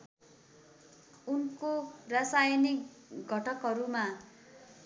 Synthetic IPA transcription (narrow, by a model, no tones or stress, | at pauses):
unkorasajnik | ɡʱʌʈʰʌkɦʌɾuma